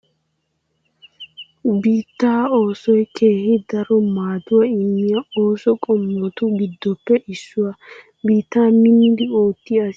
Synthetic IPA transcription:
biːt̪ːaːo̞ːsɔjkʰe̞ːhɪd̪ɐɾɔmaːd̪ʊwɐimːɪjɐoːsɔkʼɔmːɔt̪ʊɡɪd̪ːɔpːɛʔɪsːʊwɐ | biːt̪ːaːmɪnːɪd̪ɪo̞ːt̪ːɪɐs

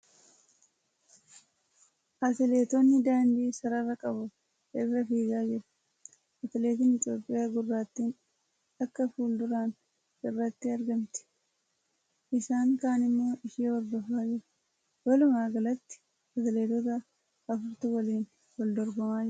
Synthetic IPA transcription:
ʔɐt̪ɪle̞ːt̪ɔnːɪd̪aːnd̪iːsɐɾɐrːɐkʼɐbʊ | ʔɪrːɐfiːɡaːd͡ʒɪɾɐ | ʔɐt̪ɪle̞ːt̪ɪnɪt̪ʼjo̞ːpʼːɪjaːɡʊrːaːt̪ːiːn | ɐkːɐfuːld̪ʊɾaːn | ɪrːɐt̪ːɪɐɾɡɐmt̪ɪ̥ | ʔɪsaːŋkaːnɪmːo̞ːʔɪʃiːɔɾd̪ɔfaːd͡ʒɪɾɐ | wɐlʊmaːɡɐlɐt̪ːɪ̥ | ɐt̪ɪle̞ːt̪ɔt̪̬ɐ | ɐfʊɾt̪ʊwɐliːn | wɔld̪ɔɾɡɔmaːd͡ʒɪɾ

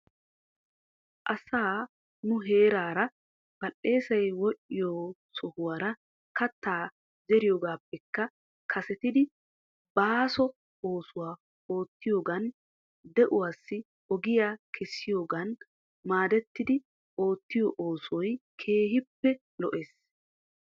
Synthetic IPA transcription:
ʔɐsaː | nʊɦe̞ːɾaːɾɐ | b̥ɐlːe̞ːsɐjwɔʔɪjoːsɔhʊwaːɾɐ | kɐt̪ːaː | zɛɾɪjoːɡaːpːɛkːɐ | kʰɐsɛt̪ɪd̪ɪ | baːsɔ | oːsʊwaː | o̞ːt̪ːɪjoːɡɐn | d̪ɛʔʊwaːsːɪ | ɔɡɪjaːkʰɛsːɪjoːɡɐn | maːd̪ɛt̪ːɪd̪ɪ | ʔo̞ːt̪ːɪjɔʔoːsɔjkʰe̞ːɦɪpːɛ | lɔʔeːs

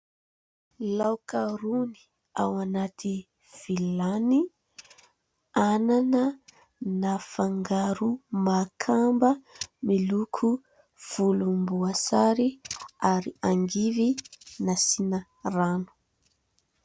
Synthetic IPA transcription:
lawkaɾuni̥ | awanat̪ʰi | v̥ilani | ananə | nafaŋɡaɾumakʰambəmilukʰu | v̥ulumbuasaɾiaɾiaŋɡivinasinə | ranu̥

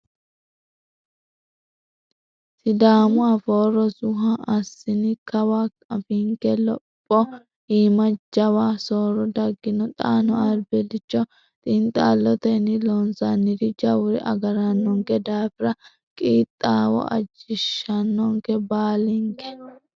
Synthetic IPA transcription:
sɪd̪aːmʊaːfoːɾɔsʊɦɐɐsːɪnɪkɐwaːkʼɐfɪŋkɛlɔpʼːɔ | iːmɐd͡ʒɐwaːsoːɾɔd̪ɐɡːɪnɔt̪ʼaːnɔɐlbɛd̪ɪt͡ʃːɔ | t̪ʼɪnt̪ʼːaːlːɔt̪ɛnɪlɔnsɐnːɪd̪ɪd͡ʒɐwɾɛ̰ʔɐ̰ɡɐɾɐnːɔŋkɛd̪aːfɪɾɐ | kʼiːt̪ʼːaːwɔ̰ɐ̰d͡ʒɪʃːɐnːɔŋkɛbaːlɪŋkɛ̥

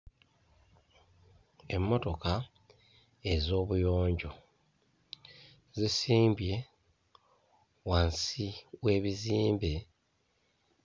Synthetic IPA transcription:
e̞mːo̞to̞ka | e̞zo̞ːβujo̞ːɲɟo̞ | zisiːmbje̞ | wansiwe̞ːβiziːmbe

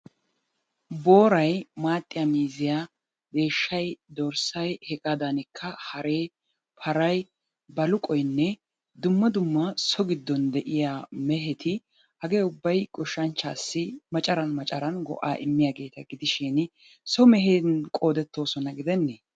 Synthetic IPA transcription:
bo̞ːɾɐjmaːt̪ʼːɪjamiːzɪja | d̪e̞ːʃːɐjd̪ɔɾsɐjhɛkʼad̪ɐnɪkʰːɐhɐɾe̞ː | pʰɐɾɐj | bɐlʊkʼɔjnːɛ | d̪ʊmːɐd̪ʊmːɐsɔɡɪd̪ːɔnd̪ɛʔɪjaːmɛɦɛt̪ʰɪ | hɐɡeːʊbːɐjkʼʊʃːɐnt͡ʃːaːsːɪmɐt͡ʃʼɐɾɐnmɐt͡ʃʼɐɾɐnɡɔ̰ʔa̰ːʔɪmːɪjaːɡe̞ːt̪ɐɡɪd̪ɪʃɪn | sɔmɛɦenkʼo̞ːd̪ɛt̪ːo̞ːsɔnɐɡɪd̪ɛnːeː

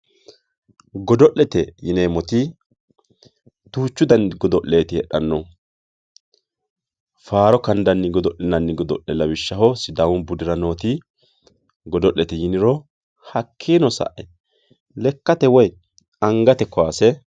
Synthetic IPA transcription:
ɡɔd̪ɔʔːɛt̪ɛjɪneːmɔt̪ɪ | t̪uːt͡ʃːʊd̪ɐnɡɔd̪ɔʔle̞ːt̪ɪɛɗɐnːɔ | faːɾɔkɐnd̪ɐnːɪɡɔd̪ɔʔɪnɐnːɪɡɔd̪ɔ̰ʔːɛlɐwɪʃːɐhɔsɪd̪awʊnbʊd̪ɪɾɐno̞ːt̪ɪ | ɡɔd̪ɔʔːɛt̪ɛjɪnɪɾɔ | hɐkʰːiːnɔsɐ̰ʔɛ | lɛkːɐt̪ɛwɔj | ɐŋɡɐt̪ɛkɔaːsɛ

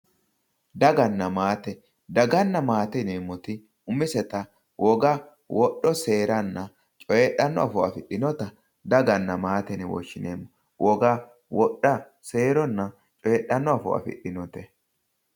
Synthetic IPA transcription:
d̪ɐɡɐnːɐmaːt̪ɛ | d̪ɐɡɐnːɐmaːt̪ɛneːmːɔt̪ɪ | ʊmɪsɛt̪ɐ | wʔɔɡa | wʔɔɗːɔse̞ːɾɐnːɐ | t͡ʃʼɔjɛɗːɐnːɔɐfɔɐ̰fɪɗːɪnɔt̪ɐ | d̪ɐɡɐnːɐmaːt̪ɛnɛwɔ̰ʃːɪnḛːmːɔ | wʔɔɡa | wɔɗːɐ | se̞ːɾɔnːɐ | t͡ʃʼɔjɛɗɐnːɔɐfɔ̰ʔɐ̰fɪ̰ɗɪnɔt̪ɛ

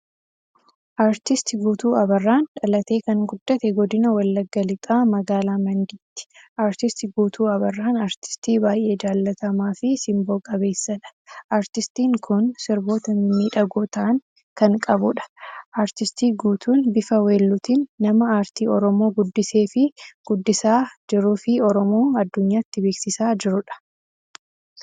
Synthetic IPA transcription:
ʔaːɾt̪ɪst̪ɪɡuːt̪uːɐbɐrːaːnᶑɐlɐt̪e̞ːkɐŋɡʊd̪ːɐt̪ɛɡɔd̪ɪnɐwɐlːɐɡːɐlɪt̪ʼaːmɐɡaːlaːmɐŋɡɪt̪ːɪ̥ʔaːɾt̪ɪst̪ɪɡuːt̪ʰuːɐbɐrːaːnaːɾt̪ɪ̥st̪iːbaːjʔe̞ːd͡ʒaːlːɐt̪ɐmaːfɪsɪmboːkʼɐβe̞ːsːɐᶑɐ̥ʔaːɾt̪ɪst̪iːŋkʰʊnsɪɾbo̞ːt̪ɐmiːᶑɐɡoːt̪ɐʔɐŋ | kɐŋkʼɐbʊᶑɐ̥ʔaːɾt̪ɪst̪iːɡuːt̪uːnbɪfɐwe̞ːlːʊt̪iːnːɐmɐaːɾt̪iːɔɾɔmo̞ːɡʊd̪ːɪse̞ːfɪɡ̥ʊd̪ːɪsaːd͡ʒɪɾʊfɪɔɾɔmo̞ːɐd̪ːʊɲːaːɪt̪ːɪbeːksɪsaːd͡ʒɪɾʊᶑɐ̥

